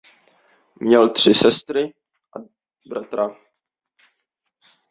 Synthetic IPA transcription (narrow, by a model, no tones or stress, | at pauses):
mɲɛlt̪r̝̥ɪsɛst̪ɾɪ | ʔa | bɾat̪ɾa